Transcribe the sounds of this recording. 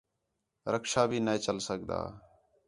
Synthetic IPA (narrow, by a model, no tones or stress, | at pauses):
ɾəkʃaːbʱiːneeːt͡ʃəlsəkd̪a̰ː